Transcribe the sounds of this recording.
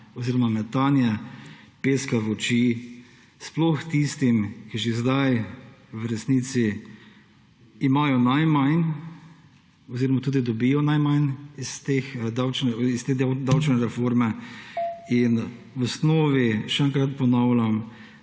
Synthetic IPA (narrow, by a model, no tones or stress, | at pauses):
ɔziːɾɔmamɛt̪anjɛpeːskaʋɔt͡ʃi | splɔxt̪ist̪imkiʒezd̪ajwɾɛsniːt̪si | maːjɔnajmajn | ɔziːɾɔmat̪uːd̪id̪ɔbijɔnajmajnist̪exd̪awt͡ʃnɛist̪eːd̪awd̪awt͡ʃnɛɾɛfoɾmɛ | in | wɔsnɔːʋiʃɛɛŋkɾat̪̚pɔnaʊlʲam